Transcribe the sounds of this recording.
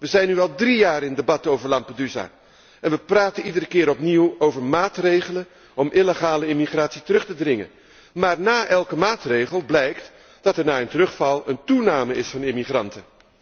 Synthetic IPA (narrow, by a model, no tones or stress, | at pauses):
ʋəzɛjnːyɑlˠdrijaːrɪndebɑtowvəɹlɑmpədyza̰ː | ɛnʋəpraːtənidəɾəkɪːɾɔpniwowvəɹmaːtrejχələn | ɔmʔɪleχaːləɪmiχraːtsitərɵχtədrɪŋə̰n | maːɹnaːʔɛlˠkəmaːtrejχəlˠblɛjkt | d̥ɑtɛɹnaːɪntərɵχfɑlˠəntunaːməɪsfɑnɪmiχrɑntə